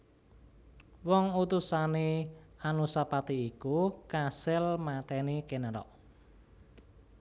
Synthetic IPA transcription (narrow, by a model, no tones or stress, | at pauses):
wɔŋut̪usaneanusapat̪iːkukasɪlmat̪ɛnikenaɾɔ̰ʔ